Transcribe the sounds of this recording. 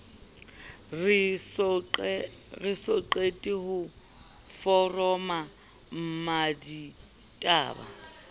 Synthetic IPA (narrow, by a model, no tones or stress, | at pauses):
r | rɪsɔǃetʼɪhʊ | fɔrɔma | m̩madi | tʼa̰ːba̰